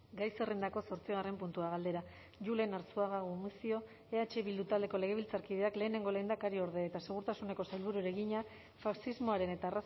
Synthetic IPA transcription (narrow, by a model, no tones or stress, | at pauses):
ɡajse̞re̞nd̪ako̞so̞ɾt͡siɣare̞mpunt̪uaɣ̞ald̪e̞ɾa | ʝule̞naɾsuaɣaɣumisio̞ | eat͡ʃe̞βild̪ut̪ald̪e̞ko̞leɣ̞e̞βilt͡saɾkið̞e̞akle̞ːne̞ŋɡo̞le̞ːnd̪akaɾio̞ɾðeet̪ase̞ɣ̞uɾt̪asune̞ko̞sajlβuɾuɾe̞ɣiɲa | faksizmo̞aɾe̞ne̞t̪aːras